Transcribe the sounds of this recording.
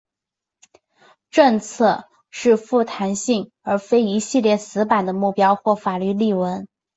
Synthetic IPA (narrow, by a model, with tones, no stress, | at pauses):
ʈ͡ʂɤ˥˧ŋt͡sʰɤ˥˧ | ʂɻ̩˥˧fu˥˩t̪ʰa˧˥nɕi˥˩ŋ | ə˞˧˥fe˥ɪi˧˥ɕi˥˧ljɛ˥˩sɹ̩˧˥pa˨˩nd̪ə˦mu˥˩pjɑ˥ʊxwɔ˥˩fa˨˩ly˥˧li˥˩wə˧˥n